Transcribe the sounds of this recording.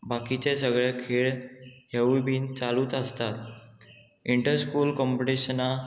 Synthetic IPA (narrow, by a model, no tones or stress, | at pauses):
bakit͡ɕes̬əɡɭekʰeɭjeʋibʱiːnt͡saluːt͡s̪əst̪at̪ | iɳʈəɾskuːlkɔmpoʈiɕəna